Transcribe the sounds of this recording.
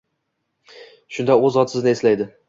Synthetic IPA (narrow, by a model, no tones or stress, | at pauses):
ʃʊnd̪aɵzɒt̪sɪznɪeslajd̪ɪ